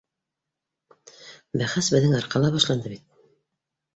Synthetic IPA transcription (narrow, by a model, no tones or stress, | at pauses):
bæχæsbɘ̆ðːɘŋɑɾqɑlˠɑβɑʃlˠɑnd̪ɤbit̪̚